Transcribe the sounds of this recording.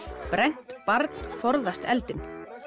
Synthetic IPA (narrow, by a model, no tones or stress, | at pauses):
pɾɛjn̥t̪paɾt̪n̥fɔɾðast̪ɛ̰lt̪ɪn